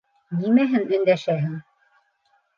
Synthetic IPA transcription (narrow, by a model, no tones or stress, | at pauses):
nimæɦɘŋɵ̆nd̪æʃæɦɘŋ